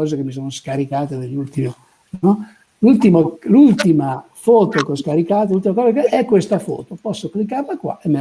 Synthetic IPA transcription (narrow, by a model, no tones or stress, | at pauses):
ɔːzekemːisoːnoskaɾikaːt̪ed̪elːult̪ime | nɔ | lult̪imolult̪imafɔːt̪okoskaɾikaːt̪elult̪imakɔːzakeʔɛkːwest̪afɔ̰ːt̪opɔsːoklikːarlakwa̰ʔemːe